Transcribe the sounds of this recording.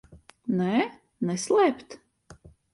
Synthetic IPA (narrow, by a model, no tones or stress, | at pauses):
nɛː | nɛslˠɛːpt̪